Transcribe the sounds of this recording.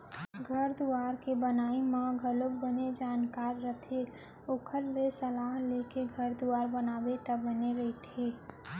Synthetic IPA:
ɡʱɐɾd̪uaːɾkebənaːimãɡʱəlokbəned͡ʒaːnkaːɾːət̪ʰe | okʰəɾlesəlaːɦlekeɡʱɐɾd̪uaːɾbənaːwet̪əbəneɾəit̪ʰeː

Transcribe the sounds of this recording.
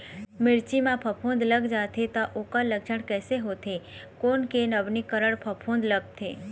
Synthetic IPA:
mɪɾt͡ʃimãpʰəpʰõnd̪ləɡd͡ʒaːt̪ʰet̪aʔokaləɡd͡ʒəɽ̃kɛːseɦot̪ʰekoːnkenəbnikəɾəɽpʰəpʰõnd̪ləɡ̚t̪ʰḛː

